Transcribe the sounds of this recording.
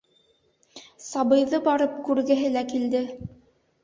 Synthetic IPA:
sɑbɤ̆jðɤbɑɾɤp̚kʉɾɡɘ̆ɦɘlækild̪ɘ

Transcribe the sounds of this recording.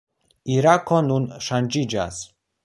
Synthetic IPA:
iɾakɔnunʃand͡ʒid͡ʒa̰s

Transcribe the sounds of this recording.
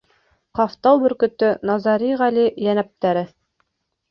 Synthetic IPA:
qɑft̪ɑw̪ˠbɵ̆ɾkɵ̆t̪ɵnɑzɑɾiʁælijænæp̚t̪æɾɘ

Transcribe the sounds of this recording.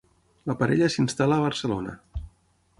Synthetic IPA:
ləpəɾɛʎəsinst̪aləːβəɾsəlonə̰

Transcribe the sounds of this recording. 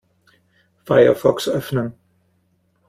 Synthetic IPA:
faɪɐ̰fɔksʔœfnən

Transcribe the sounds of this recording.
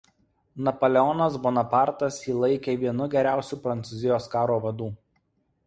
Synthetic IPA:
nɐpɔlʲɛɔnɐsbonɐpɑˑɾt̪ɐsiːlˠɐɪkʲeːʋʲiɛnʊɡʲɛɾʲæˑʊsʲuːpɾɐnt̪sʊzʲɪjoːskɑːɾoːʋɐd̪uː

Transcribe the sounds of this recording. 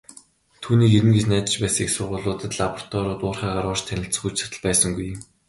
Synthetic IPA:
t̪ʰuːniːkeɾɘ̆nɡesnæːt͡ɕɪ̆t͡ɕpæːsə̆ŋiksʊːʁʊːɮʊːt̪ə̆t̪ɮapɔr̥t̪ʰɔːɾʊːt̪ʊːrχæːʁaːɾɔːrt͡ɕt̪ʰænʲɪ̆ɬt͡sə̆xut͡ɕsḁt̪ə̆ɮpæːsə̆ŋɡuj

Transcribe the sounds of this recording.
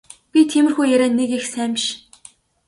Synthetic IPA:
pʲit̪ʰemɘ̆rxujæɾæːnːekexsæːmʃ

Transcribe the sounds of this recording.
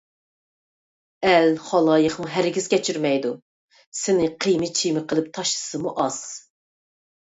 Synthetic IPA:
ælχɑlˠɑːjəχmuɦæɾɡʲizkʲɛt͡ʃʰyɾmɛjd̪u | sɪnɪqʰijmɨt͡ʃʰijmɨqʰəlˠɨp̚t̪ʰɑʃlˠɨ̥sɨmuʔɑz̥

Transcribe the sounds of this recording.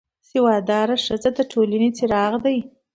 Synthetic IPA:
sɪwɑd̪ɑɾaʂəzad̪əʈʰolanet͡seɾɑɣd̪aj

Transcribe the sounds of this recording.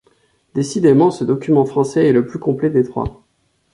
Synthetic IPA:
d̪esid̪emɑ̃səd̪ɔkʲymɑ̃fχɑ̃sɛɛləplykɔ̃plɛd̪et̪χwa̰

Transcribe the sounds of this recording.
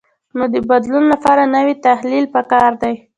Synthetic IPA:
nod̪əbad̪lunlapɑɾanawit̪ahlilpəkɑɾd̪aj

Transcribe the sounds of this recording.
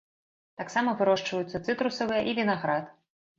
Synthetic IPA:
t̪aksamɐvɨɾɔʂt͡ʂvɐjut̪sːɐt̪sɨt̪ɾusɐvɨjɐʔivʲinaɣɾat̪

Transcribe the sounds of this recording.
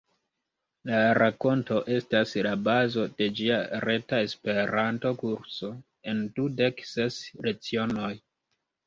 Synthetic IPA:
laɾako̞nto̞ʔe̞staslabazo̞de̞d͡ʒiaɾe̞tae̞spe̞ɾanto̞kuɾso̞ | e̞ndude̞kse̞sɾe̞t͡sio̞no̞j

